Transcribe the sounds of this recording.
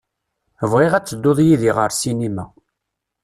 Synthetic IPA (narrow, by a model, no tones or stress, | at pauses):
əvʁɪʁæt͡sːəd̪ːoðˤjiðiʁəɾsinimæ